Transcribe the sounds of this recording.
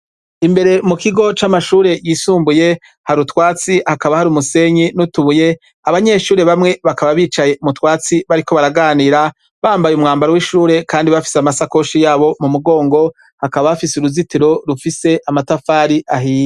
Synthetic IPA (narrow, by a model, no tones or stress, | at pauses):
imbe̞ɾe̞mukiɡo̞t͡ʃamaʃuːɾe̞jiːsuːmbuje̞ | haɾutwaːt͡sihakaβahaɾumuse̞ɲinutuβuje̞ | aβaɲe̞ʃuːɾe̞βamŋe̞βakaβaβiːt͡ʃaje̞mutwaːt͡siβaɾiko̞βaɾaɡaːniːɾa | βaːmbajumŋaːmbaɾowiʃuːɾe̞kaːndiβafi̥samasako̞ʃijaːβo̞mumuɡo̞ːŋɡo̞ | hakaβaafisuɾuzitiɾo̞ɾufise̞ʔamatafaːɾiʔaɦiːje